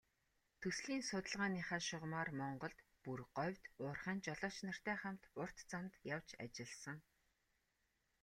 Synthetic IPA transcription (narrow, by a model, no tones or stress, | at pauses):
t̪ʰɵsɮiːnsʊt̪ə̆ɮʁaːniːχaːʃʊʁmaːrmɔɴɢɞ̆ɮt̪purɢɔwʲt̪ʊːrχæːnt͡ɕɔɮɔːʃnə̆r̥t̪æːχam̥t̪ʊr̥t̪t͡sant̪jawt͡ɕa̰t͡ɕɪ̆ɮsə̆ŋ